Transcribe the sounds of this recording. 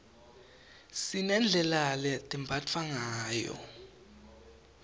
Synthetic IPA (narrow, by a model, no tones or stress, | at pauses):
sinɛnd͡ɮʱɛlalɛtʼimbʱat͡fʰwaŋaːjɔ̰